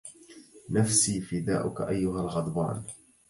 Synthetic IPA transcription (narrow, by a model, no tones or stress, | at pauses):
nafsiːfɪd̪a̰ːʔʊkaʔajːʊɦalɣɑd̪ˤbɑ̰ːn